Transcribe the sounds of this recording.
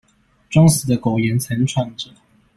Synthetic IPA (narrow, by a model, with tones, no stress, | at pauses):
ʈ͡ʂwɑ˥ŋs̩˨˩d̪ə˦ko˨˩ʊjɛ˧˥nt͡sʰə˧˥nʈ͡ʂʰwa˥˩ŋʈ͡ʂə˨˩